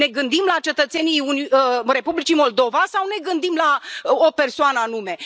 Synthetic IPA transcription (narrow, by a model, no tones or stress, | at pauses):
ne̞ɡɨnd̪imlat͡ʃe̞t̪ət̪se̞niunre̞publit͡ʃimo̞ld̪o̞vasawne̞ɡɨnd̪imlaope̞rsoanəanume̞